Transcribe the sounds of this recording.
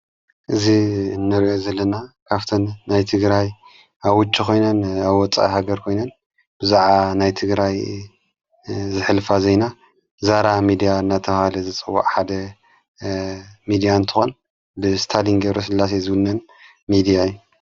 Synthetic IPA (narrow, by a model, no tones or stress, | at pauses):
ʔɨzinːɨɾiʔo̞zɐlːɐnakʰaβt̪ʰɐnːajt̪ʰɨɡɾaj | aβwʊt͡ʃʼːikʰo̞jnɐnaβwɔt͡sʼa̰ʔihaɡɐɾkʰo̞jnɐn | bɨzaʕanajt̪ʰɨɡɾaj | zɨħɨlfazɐjna | zaɾamid̪ijanːat̪ʰɐhalɐzɨt͡sʼɨwːa̰ʔʼħad̪ɐ | mid̪ijant̪ʰɨ̥xon | bɨst̪ʰaliŋɡɐβɾos̬ɨlːas̬ezɨwʊnːɐn | mid̪ijaɨjːu